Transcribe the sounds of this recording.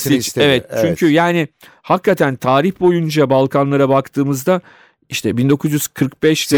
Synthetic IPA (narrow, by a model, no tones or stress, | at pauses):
sievɛt̪̚t͡ʃt͡ʃʰyɲcʰyjaːnɪ | hakːat̪ʰænt̪ʰaːɾiçbo̞jund͡ʒabalˠkʰanlˠaɾabakt̪ʰɯːmɯzd̪a | iʃt̪ʰɛbind̪o̞kʰuzjyz̥kʰɯɾk̚bɛʃ